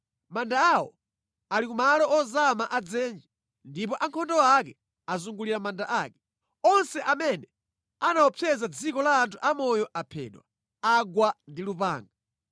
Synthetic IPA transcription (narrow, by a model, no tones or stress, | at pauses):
mandaːwɔ̰ | alikumalɔɔzamaʔad͡zɛnd͡ʒɛ | ndipɔʔaŋkʰɔndɔakɛ | azuŋɡuliɾamandaʔaːkɛ̥ | ɔnsɛʔamɛnɛ | anawɔpʰɛzad͡zikɔlaːntʰuʔamɔjɔʔapʰɛ̰ːɗwa̰ | aɡwandilupa̰ːŋɡa